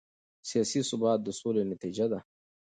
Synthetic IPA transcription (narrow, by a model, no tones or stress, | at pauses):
sijaːsisʊbɑːt̪̚d̪əsolenɐt̪id͡ʒad̪a